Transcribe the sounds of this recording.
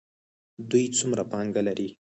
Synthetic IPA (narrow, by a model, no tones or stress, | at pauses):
d̪ujt͡sumɾapɑŋɡalaɾi